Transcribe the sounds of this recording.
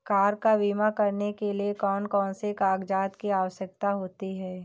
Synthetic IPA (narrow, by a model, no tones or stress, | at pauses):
kaːɾkabiːmakɐɾnekeliekɔːnkɔːnsekaːɡd͡ʒaːt̪kiaːʋəʃjək̚t̪aɦoːt̪iɦɛː